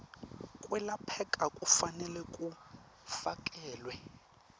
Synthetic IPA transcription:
kʼwɛlapʰɛkʼakʼufanɛlɛkʼu | fakʼɛːlwɛ

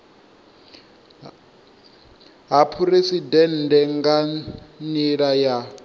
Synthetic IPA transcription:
ɦapʰuɾesidɛn̩dɛŋɡaniɺaja

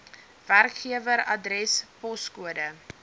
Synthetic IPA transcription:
værkχiəvəɾɐdrɛspɔskuədə

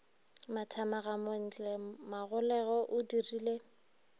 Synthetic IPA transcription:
matʰamaɣamon̩t͡ɬʼɛmaɣʊlɛɣɔʔʊdiriːle

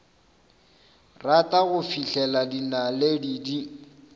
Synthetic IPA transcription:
ratʼaɣʊfiɬɛladinaledidi

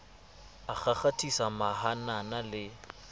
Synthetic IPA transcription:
ak͡xaχatʼisamahananalɪ

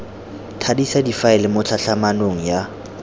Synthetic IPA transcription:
tʰadisadifaɛlɪmʊt͡ɬʰaɬamanoŋ̩ja

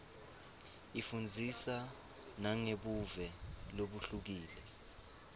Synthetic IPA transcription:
ifund͡zʱisa | naŋeɓuvɛloɓuɬuk̬iːlɛ

